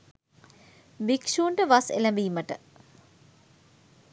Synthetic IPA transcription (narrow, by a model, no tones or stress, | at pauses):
ʋikʂuːɳʈəʋasḛlæbiːməʈə